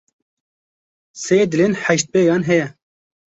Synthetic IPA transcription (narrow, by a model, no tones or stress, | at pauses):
seːd̪ɪlenħɛʃt̪̚beːjɑːnɦɛjɛ